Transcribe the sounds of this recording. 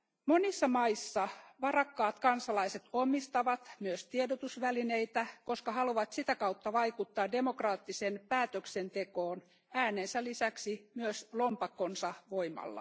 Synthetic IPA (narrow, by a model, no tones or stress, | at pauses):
monisːɑmɑisːɑʋɑrɑkːɑːt̪kɑnsɑlɑiset̪omːist̪ɑʋɑt̪myøst̪iedot̪usʋæline̞it̪æko̞skɑhɑluʋɑt̪sit̪ækɑut̪ːɑʋɑikut̪ːɑːde̞mokrɑːt̪ːisenpæːt̪øksent̪ekoːn | æːneːnsælisæksimyøslompɑkːonsɑʋoimɑ̰lːɑ̰